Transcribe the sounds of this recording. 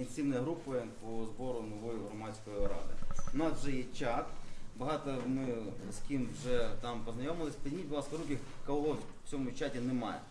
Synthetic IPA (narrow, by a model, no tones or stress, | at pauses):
ɪnʲsiwnɐjɐɦɾupɐjɛpɔzbɔɾʊnɔʋɔjʊɦɾɔmɑsʲkɔjʊɾɑ̰d̪ɪ̰ʊnɑsʒɛjɛt͡ʃat̪bɐɦɑt̪ɐmɪskʲimwʒɛt̪ɑmpɔznɐjomɪlˠɪsʲpdʲimʲitʲʋ̪ˠɑspɐɾukʲɪkɐɦɔ | t͡sʲɔmʊt͡ʃatʲinɛmɑ̰jɛ̰